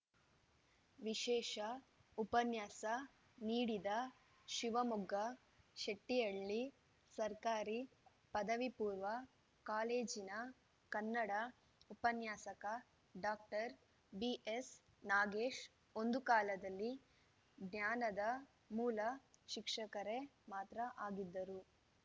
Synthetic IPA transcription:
ʋiʃɛːʃɐupɐnjaːsɐ | niːɽid̪ɐ | ʃiʋɐmuɡɐ | ʃeʈːijɐɭːi | sɐɾkaːɾi | pɐd̪ɐʋipuːɾʋɐ | kaːleːd͡ʒinɐ | kɐnːɐɽɐ | upɐnjaːsɐkɐ | ɖaːk̚ʈɐɾ | biʔes | naːɡeːʂ | o̞nd̪ukaːlɐd̪ɐlːi | ɡnaːnɐd̪ɐ | muːlɐʃikʂɐkɐɾemaːt̪ɾɐʔaːɡid̪ːɐɾu

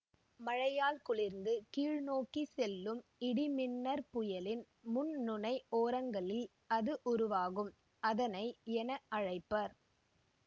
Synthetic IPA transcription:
mɐɻɐjaːlkʊɭɪɾnd̪ɯkiːɻnoːkisɛlːɯmɪɽɪmɪnːɐɾpʊjɐlɪn | mʊnnʊnɐɪoːɾɐŋɡɐɭɪl | ɐðɯʔʊɾʊʋaːɣɯm | ɐðɐnɐɪɛnɐʔɐɻɐɪpːɐɾ

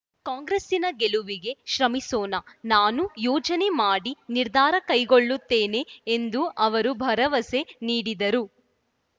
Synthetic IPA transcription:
kaːŋɡɾesinɐɡeluʋiɡe̞ʃɾɐmisɔːnɐnaːnujɔːd͡ʒɐne̞maːɽiniɾd̪ʱaːɾɐkɐjɡoɭːut̪ːe̞ːne̞ːnd̪uʔɐʋɐɾubʱɐɾɐʋɐse̞niːɽid̪ɐɾu

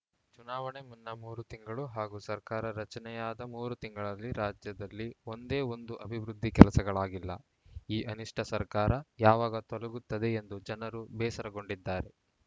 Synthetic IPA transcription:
t͡ʃunaːʋɐɳe̞munːɐmuːɾut̪iŋɡɐɭuɦaːɡuːsɐɾkaːɾɐɾɐt͡ʃɐnɛjaːd̪ɐmuːɾut̪iŋɡɐɭɐlːiɾaːd͡ʒjɐd̪ɐlːio̞nd̪e̞ːo̞nd̪uʔɐbʱiʋɾud̪ʱːikɛlɐsɐɡɐɭaːɡilːɐ̰ | iːʔɐniʂʈʰɐsɐɾkaːɾɐjaːʋaːɡɐt̪ɔlɐɡut̪ːɐd̪e̞end̪ud͡ʒɐnɐɾubɛːsɐɾɐɡo̞ɳɖid̪ːaːɾe̞

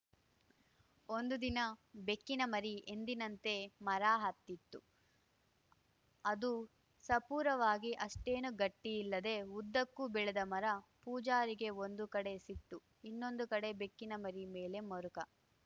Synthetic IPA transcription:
o̞nd̪ud̪inɐbe̞kːinɐmɐɾiʔe̞nd̪inɐnt̪e̞mɐɾaːɦɐt̪ːit̪ːu | ɐd̪u | sɐpuːɾɐʋaːɡiʔɐʂʈe̞ːnuɡɐʈːijːlːɐd̪e̞ud̪ːɐkːubɛɭed̪ɐmɐɾɐpuːd͡ʒaːɾiɡe̞ond̪ukɐɽe̞siʈ̪ːu | inːo̞nd̪ukɐɽe̞bekːinɐmɐɾime̞ːle̞mɐɾukɐ

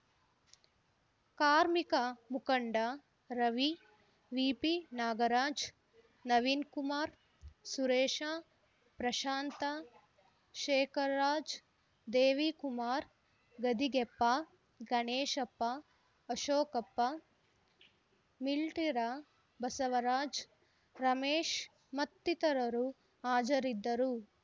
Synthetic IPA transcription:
kaːɾmikamukɐɳɖa | ɾɐʋi | ʋiːpinaːɡɐɾaːd͡ʒ | nɐʋinkumaːɾ | suɾeːʃaː | pɾɐʃaːnt̪a | ʃeːkʰɐɾːaːd͡ʒ | d̪eːʋikumaːɾ | ɡɐd̪iɡɛpːa | ɡɐneːʃɐpːaː | ʃoːkɐpːɐ | milʈiɾa | bɐsɐʋɐɾaːd͡ʒ | ɾɐmeːʃ | mɐt̪ːit̪ɐɾɐɾu | aːd͡ʒɐɾid̪ːɐɾu

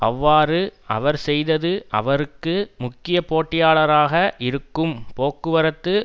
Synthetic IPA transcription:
ʔɐʋːaːɾɯɐ̰ʋɐɾsɛjðɐðɯʔɐ̰ʋɐɾɯkːɯmʊkːɪjɐpoːʈːɪjaːɭɐɾaːɣɐʔɪɾɯkːɯmpoːkːɯʋɐɾɐt̪ːɯ

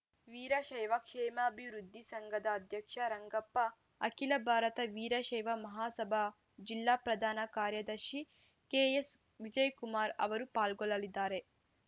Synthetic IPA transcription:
ʋiːɾɐʃɐjʋɐkʂɛːmɐːbʱiʋɾud̪ʱːisɐŋɡʱɐd̪ɐːd̪ʱjɐkʂɐɾɐŋɡɐpːɐ | ɐkilɐbʱaːɾɐt̪ɐʋiːɾɐʃɐjʋɐmɐɦaːsɐbʱa | d͡ʒilːaːpɾɐd̪ʱaːnɐkaːɾjɐd̪ɐɾʃi | keːjes | ʋid͡ʒɐjkumaːɾɐ̰ʋɐɾupaːlɡɔlɐlid̪ːaːɾe̞

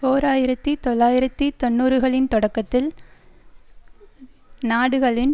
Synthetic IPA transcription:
oːɾaːjɪɾɐt̪ːɯt̪ɔlːaːjɪɾɐt̪ːit̪ɔnːuːɾɯɣɐɭɪnt̪ɔɽɐkːɐt̪ːɪl | naːɽɯɣɐɭɪn

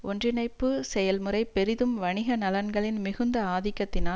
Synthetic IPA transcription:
ʔɔndrɪnɐɪpːɯsɛjɐlmɯrɐɪpːɛɾɪðɯmʋɐɳɪɣɐnɐlɐnɡɐɭɪnmɪɣɯnd̪ɐaːðɪkːɐt̪ːɪnaː

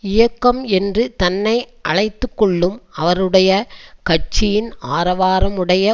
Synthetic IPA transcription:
ɪjɐkːɐmɛndrɯt̪ɐnːɐɪʔɐɭɐɪt̪ːɯkːɔɭːɯmɐʋɐɾɯɽɐjɐkɐʈ̚t͡ʃɪjɪnaːɾɐʋaːɾɐmɯɽɐjɐ

